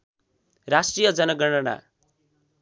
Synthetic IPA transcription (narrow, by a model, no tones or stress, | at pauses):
rasʈrijʌd͡zʌnʌɡʌɳʌna̰